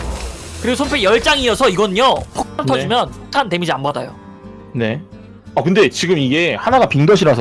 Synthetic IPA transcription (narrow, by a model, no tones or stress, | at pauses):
kɯɾiɡosʰompʰejʌɭt͡ɕ͈aŋiʌsʰʌiɡʌnɯɲjopʰok̚tʰantʰʌd͡ʑimjʌnpʰok̚tʰante̞mid͡ʑianbada̰jo̰ | ne̞ | akɯnde̞t͡ɕiɡɯmiɡe̞hanaɡapiŋdʌɕʰiɾasʰʌ